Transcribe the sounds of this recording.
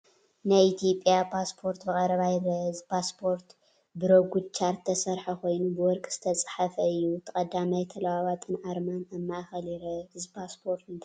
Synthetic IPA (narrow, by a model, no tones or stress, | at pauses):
najit̪ʰijo̞pʼjapʰaspʰo̞ɾt̪bɨkʼɐɾɐβajɾɐɨzpʰaspʰo̞ɾt̪ | bɨɾoɡʷud̪t͡ʃʰaɾt̪ʰːɐsɐɾħɐkʰo̞jnubɨwɔɾkʼz̥ɨ̥t̪ʰɐt͡sʼħafɐɨjːut̪ʰɐkʼɐd̪ːamajt̪ʰɐlɐwawat̪ʼɨnʕaɾmanɐmːaʔxɐliɾɐɨzbʰaspʰoɾt̪n